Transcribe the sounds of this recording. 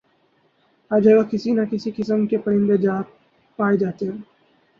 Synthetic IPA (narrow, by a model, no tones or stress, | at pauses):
aːd͡ʒɐɡakɪsinakɪsikɪsəmkepɐɾɪ̃nd̪ed͡ʒaː | paːed͡ʒaːt̪eɦɛ̃ː